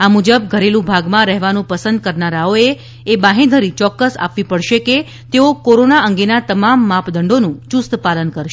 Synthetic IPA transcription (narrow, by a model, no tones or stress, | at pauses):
amud͡ʒəb̚ɡʱəɾelũbʱaɡmãɾɛɦʋanũpəsənd̪̚kəɾnaɾaoeː | bãɦẽd̪ʱəɾit͡ʃɔkːəsa̰pʋipəɽʃeke | t̪eokoɾonaəŋɡenat̪əmamːapd̪əɳɖonũt͡ʃust̪palənkəɾʃe